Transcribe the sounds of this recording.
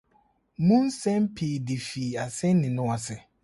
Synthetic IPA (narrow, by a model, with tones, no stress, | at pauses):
mũ˦n˦sɛ̃˦m˦pʰiː˨di˨fiː˨a˨sɛ˦n˦nɪ̃˨nʊ̃˦wɔ˨sɛ˨